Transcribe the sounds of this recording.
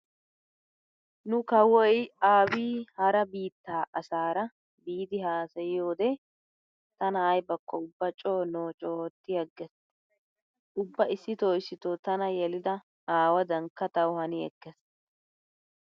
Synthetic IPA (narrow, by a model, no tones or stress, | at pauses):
nʊkɐwɔjaːbiːhɐɾɐbiːt̪ːaːʔɐsaːɾɐ | biːd̪ɪhaːsɐjɪjo̞ːd̪ɛ | t̪ɐnɐɐjbɐkːɔʊbːɐt͡ʃʼoːnoːt͡ʃʼoːt̪ːɪjɐɡːɛs | ʔʊbːɐʔɪsːɪt̪oːjsːɪt̪ot̪ɐnɐjɛlɪd̪ɐ | aːwɐd̪ɐŋkːɐt̪ɐwhɐnɪɛ̰kːɛs